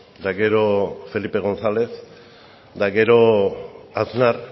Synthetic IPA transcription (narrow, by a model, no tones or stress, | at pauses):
d̪aɡe̞ɾo̞fe̞lipe̞ɣ̞o̞nsale̞s | d̪aɡe̞ɾo̞ | aznar